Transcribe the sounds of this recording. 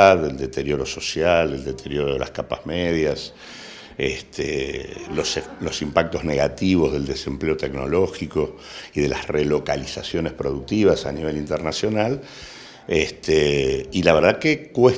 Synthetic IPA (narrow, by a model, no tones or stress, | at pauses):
aðeld̪e̞t̪eɾjo̞ɾo̞so̞sjaleld̪e̞t̪ʰeɾjo̞ɾoðḛla̰skapa̰hmeðjas | est̪eloselo̞simpak̚t̪o̞zneɣat̪iβo̞zðe̞ld̪e̞se̞mpleot̪e̞kno̞̰lo̞xiko̞ | iðelʔasrelo̞kalisasjo̞nespɾo̞ðuk̚t̪iβasa̰niβe̞lint̪eɾnasjo̞nal | est̪eilaβ̞eɾð̞akekwe